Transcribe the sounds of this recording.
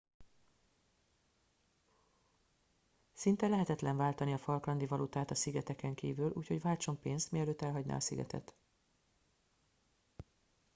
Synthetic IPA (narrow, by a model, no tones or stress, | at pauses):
sint̪ɛlɛɦɛt̪ɛt̪lɛɱvaːlt̪ɒniɒfɒlkɾɒnd̪ivɒlut̪aːt̪ɒsiɡɛt̪ɛkɛŋkiːvylʔuːcho̞ɟʋaːlt͡ʃo̞mpeːnst̪miɛløːt̪ːɛlɦɒɟna̰ːɒsiɡɛ̰t̪ɛ̰t̪